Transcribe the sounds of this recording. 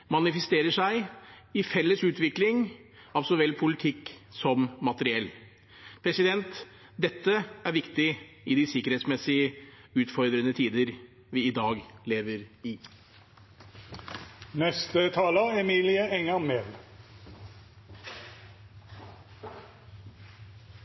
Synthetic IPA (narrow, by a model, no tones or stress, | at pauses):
mɑnɪfəst̪eːɾəʂæɪɪfɛlːəsʉːt̪ʋɪklɪŋ | ɑlsɔʋɛlpʰʊlɪt̪ʰɪkːsɔmːɑt̪əɾɪɛlː | pʰɾɛsɪd̪ɛnt̪ | d̪ɛt̪ːəæɾʋɪkt̪ɪ | ɪd̪ɪsɪkəɾhɛːt̪smɛsɪəʉːt̪fɔɾd̪ɾənət̪ʰiːd̪əɾ | ʋɪɪd̪ɑːɡleːʋəɾɪ | nɛst̪ət̪ʰɑːləɛmiːlɪəɛŋːəmeːd̪